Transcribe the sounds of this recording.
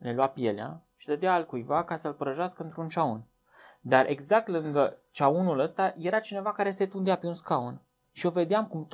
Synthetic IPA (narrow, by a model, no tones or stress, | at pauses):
le̞luapje̞lea̰ʃi̥sed̪eaːlkujvakasəlpəɾəʒaskəɨnt̪ɾunt͡ʃaun | d̪arʔe̞̰ɡzak̚t̪lɨŋɡət͡ʃaunuləst̪aje̞ɾat͡ʃine̞vakaɾe̞se̞t̪und̪eapeunskaun | ʃio̞ve̞d̪eamkumt̪